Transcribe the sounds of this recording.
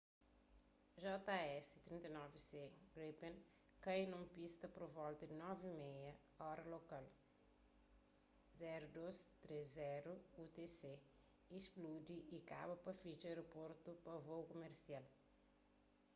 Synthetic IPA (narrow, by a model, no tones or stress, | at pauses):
ʒɔt̪aɛsi̥t̪ɾĩnt̪ɐnɔviseɡɾipẽn | kajnũmpist̪ɐpɾovɔlt̪ɐd̪ɪnɔvimɛjɐ | ɔɾɐlokal | zɛɾud̪ost̪ɾezːɛɾuut̪ese | isplud̪iʔika̰bɐpɐfit͡ʃɐejɾopoɾt̪upɐvowkomeɾsial